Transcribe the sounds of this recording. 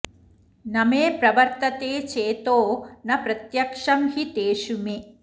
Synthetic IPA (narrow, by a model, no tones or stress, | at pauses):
nɐmeːpɾɐʋɐɾt̪ɐt̪eːt͡ʃeːt̪oːnɐpɾɐt̪jɐkʂɐmhit̪eːʃume